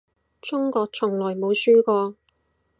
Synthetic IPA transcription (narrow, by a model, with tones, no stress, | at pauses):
t͡sʊ˥ŋkɔː˧k̚t͡sʰʊ˨˩ŋlɔː˨˩jmo˨˧wsyː˥kɔː˧